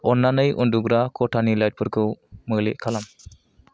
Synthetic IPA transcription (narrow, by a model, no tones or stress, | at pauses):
ɔnːanɯjʔṵnduɡɾakʰɔʈʰanilajt̚pʰɯɾkʰɯməlḛʔ̚kʰalam